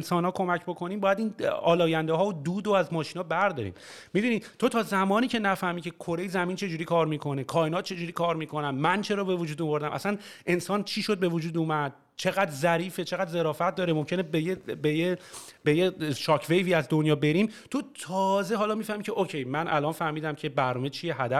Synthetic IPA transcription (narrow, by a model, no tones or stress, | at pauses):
nsɒːnhɒːkʰomæcbo̞kʰo̞niːmbɒːjæd̪iːnɒːlɒːjænd̪eɦɒːod̪uːd̪oæzmɒːʃiːnhɒːbæɾd̪ɒːɾḭm | mid̪uːnid̪̥t̪o̞t̪ʰɒːzæmɒːniːcʰe̞næfæhmiːcʲʰe̞kʰo̞ɾe̞jzæmiːnt͡ʃʰe̞d͡ʒuːɾikʰɒːɾmiːkʰo̞nekʰɒːjenɒːt̪̚t͡ʃʰe̞d͡ʒuːɾiːkʰɒːɾmiːkʰo̞nænmænt͡ʃʰe̞ɾɒːbe̞vod͡ʒuːd̪ovoɾd̪æmʔæ̰sæn | ʔe̞nsɒːnt͡ʃʰiːʃo̞d̪̚be̞vod͡ʒuːd̪umæd̪̥̚ | t͡ʃʰeɣæd̪ɾzæɾiːfet͡ʃʰeɣæd̪ze̞ɾɒːfæt̪̚d̪ɒːɾemo̞mcʰʲe̞nebejebejebejeʃɒːcʰvejviːæzd̪onjɒːbe̞ɾimt̪ʰot̪ʰɒːze̞ɦɒːlɒːmiːfæhmiːcʰeʔocʰejmænʔælɒːnfæhmiːd̪æmcʰebæɾnɒːmet͡ʃʰijeɦæd̪æ